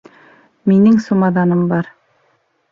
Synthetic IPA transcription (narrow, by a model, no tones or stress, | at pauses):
minɘŋsumɑðɑnɤmbɑɾ